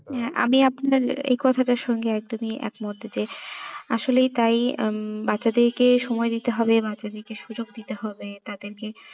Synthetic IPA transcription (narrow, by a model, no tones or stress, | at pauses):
ɦɛʔa̰miapnaɾḛjkɔt̪ʰaʈaɾʃɔŋɡeɛk̚d̪omiɛ̰kmod̪ʱːd͡ʑeaʃolejt̪ajbatːt͡ɕːɕad̪eɾkeʃɔmɔed̪it̪eɦɔbebat͡ɕːad̪eɾkeʃud͡ʑoɡ̚d̪it̪eɦɔbet̪ad̪eɾke